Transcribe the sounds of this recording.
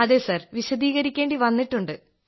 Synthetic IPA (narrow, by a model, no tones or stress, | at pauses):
ɐðeːsɐrʋiɕɐd̪iːɣɐɾikʲːeːɳɖiʋɐnːiʈːuɳɖɨ